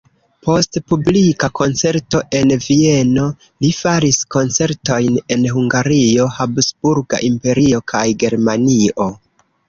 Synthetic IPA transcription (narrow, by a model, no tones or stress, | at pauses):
po̞stpublikako̞nt͡se̞ɾto̞ʔe̞nvie̞no̞ | lifaɾisko̞nt͡se̞ɾto̞jne̞nɦuŋɡaɾio̞habsbuɾɡa̰ʔimpe̞ɾio̞kʰajɡe̞ɾmanio̞